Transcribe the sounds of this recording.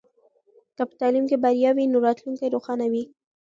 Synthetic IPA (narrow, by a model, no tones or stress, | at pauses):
kəpə̥t̪ɑlimkebaɾjɑwinoɾɑt̪luŋkajɾoxɑnawi